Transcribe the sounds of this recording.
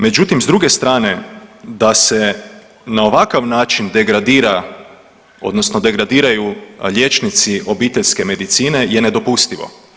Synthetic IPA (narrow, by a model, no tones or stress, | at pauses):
me̞d͡ʒut̪imzd̪ɾuɡe̞st̪ɾaːne̞d̪ase̞ | nao̞ʋakaʋnaːt͡ʃind̪e̞ɡɾad̪iːɾa | o̞̰d̪nosno̞d̪e̞ɡɾad̪iːɾajuʎʲe̞t͡ʃnit̪siʔo̞biːt̪e̞ʎske̞me̞d̪it̪siːne̞je̞ne̞d̪o̞pust̪iʋo̞̰